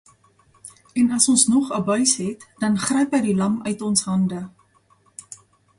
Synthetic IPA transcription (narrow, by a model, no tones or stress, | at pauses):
ɛnɐsɔnsnɔχəbœɥsɦɛtd̥ɐnχrɛjpɛjdilɐmœ̰ɥtɔnsɦɐndə